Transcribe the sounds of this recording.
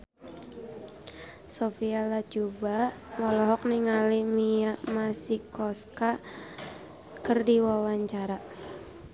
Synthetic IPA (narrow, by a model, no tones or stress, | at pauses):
sofialad͡ʒubamɔlɔɦɔk̚niŋalimiamasikɔska | kɨrdiwawaɲt͡ʃaɾa